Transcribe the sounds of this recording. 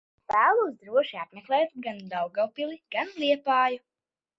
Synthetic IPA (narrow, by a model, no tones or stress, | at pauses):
pæːlˠuːzd̪ɾuɔʃiat̪mʲɛklˠɛːt̪ɡand̪awɡawpilˠiɡ̥anlʲiɛpaːju